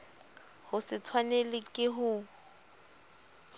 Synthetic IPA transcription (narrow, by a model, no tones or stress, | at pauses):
hʊsɪt͡sʰwanelɪkʼɪɦʊ